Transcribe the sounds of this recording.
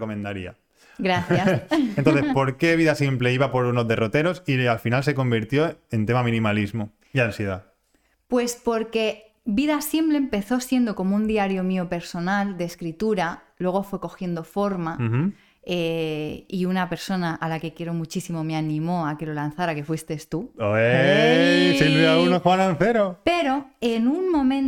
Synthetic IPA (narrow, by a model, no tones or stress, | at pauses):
komẽnd̪aɾḭa̰ | ɡɾaθasent̪onθespo̞ɾke̞β̞iðasjempleiβapo̞ɾunozðe̞rot̪e̞ɾo̞sialfinalse̞ko̞mbiɾt̪jo̞e̞nt̪emamĩnĩmalizmo | iansjeða | pwe̞spo̞ɾke̞ | biðasje̞mple̞ːmpe̞θo̞sje̞nd̪oko̞mound̪iaɾjo̞miope̞ɾso̞nald̪eːskɾit̪uɾa | lwe̞ɣ̞o̞fweko̞xje̞nd̪o̞fo̞ɾma | eiunape̞ɾso̞naʔalake̞kje̞ɾo̞mut͡ʃisimo̞meanĩmo̞ake̞lo̞lan̟θaɾake̞fwist̪e̞st̪uoe | send̪ɾiaunokaɾanθeɾope̞ɾo̞enunmõ̞mẽ̞n